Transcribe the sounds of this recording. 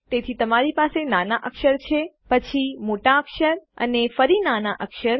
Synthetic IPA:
t̪et̪ʰit̪əmaɾipasenanaʔəkʃəɾt͡ʃʰepət͡ʃʰimoʈaəkʃəɾə̰nefəɾinanaʔəkʃəɾ

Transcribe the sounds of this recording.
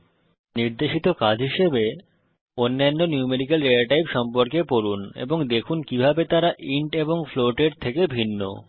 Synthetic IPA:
niɾd̪eʃit̪okad͡ʑʱɦiʃebe | onːanːonjumeɾikelɾeaʈajbʃɔmpoɾkepoɾunḛboŋd̪ekʰunkibʱabet̪aɾaʔiɳʈeboŋfloʈeɾt̪ʰekebʱinːo̰

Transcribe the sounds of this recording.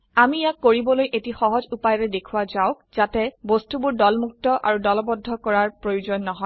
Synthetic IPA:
amijakːoɹibɔlojʔetixɔɦɔzupajɹɛdekʰuwazaʊkz̥atɛbostubʊɹdɔlmuk̚tɔʔa̰ɹudɔlɔbɔdʱːɔkɔɹaɹpɹojuzɔnːɔɦɔj

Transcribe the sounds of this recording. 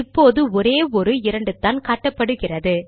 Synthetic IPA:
ɪpːoːðɯɔɾeːɔɾɯɪɾɐɳɖɯt̪ːaːnkaːʈːɐpːɐɽɯɣɪrɐðɯ

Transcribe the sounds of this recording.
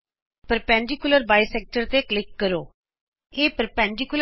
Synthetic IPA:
pəɾpɛ̃ːɳɖɪkʊləɾbaːisɛːk̚ʈəɾt̪eːklɪkːəɾoː | eːpəɾpɛ̃ːɳɖɪkʊlə

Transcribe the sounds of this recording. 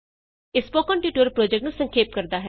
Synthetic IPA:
ɪspoːkɔ̃ːɳʈjuːʈoɾpɾoːd͡ʒɛkʈnũsəŋkʰeːp̚kəɾd̪aːɦɛ

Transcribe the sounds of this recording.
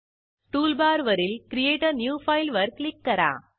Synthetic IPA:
sʈuːlbaːɾʋɐɾɪlkɪɾɪjeːʈɐɾnjuːfɐɪlʋɐɾklɪkːɐɾã̰ː

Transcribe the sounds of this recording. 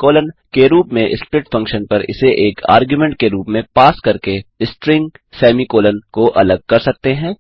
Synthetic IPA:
koːlənkeɾuːpmẽʔɪspɾɪʈfɐ̃ŋkʃənpɐɾɪ̰seʔeːkʰa̰ːɾɡjumɛ̃ɳʈ̚keɾuːpmẽpaːskɐɾkeɪsʈɾɪ̃ŋɡ | sɛːmikoːlənkoʔɐləɡ̚kɐɾsɐk̚t̪eɦɛ̃ː

